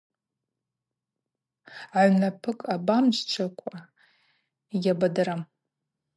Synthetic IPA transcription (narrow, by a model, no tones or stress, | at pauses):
aʕnapʰɨkʼabamt͡ʃʷt͡ʃʷʰakʷʼa | jʲabadaɾam